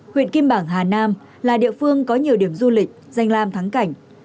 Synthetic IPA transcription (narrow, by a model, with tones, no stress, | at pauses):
hwḭ˧˨nki˧mɓaː˧˩ŋɦaː˨˩naː˧m | laː˨˩ɗḭ˧˨əfɨ˧əŋkɔ˨˦ɲi˨˩əwɗi˧˩əmzu˧lï˨˩k̟̚za˧jŋ̟laː˧mt̪ʰa˨˦ŋka˧˩jŋ̟